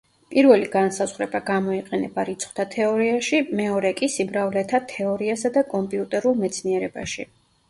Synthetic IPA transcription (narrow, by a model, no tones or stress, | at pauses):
pʼiɾvɛliɡansazʁɾɛbaɡamɔiqʼɛnɛbaɾit̪sʰχwt̪ʰat̪ʰɛɔɾiaʃimɛɔɾɛkʼisibɾavlɛt̪ʰat̪ʰɛɔɾiasad̪akʼɔmpʼiut̪ʼɛɾulˠmɛt̪sʰniɛɾɛbaʃi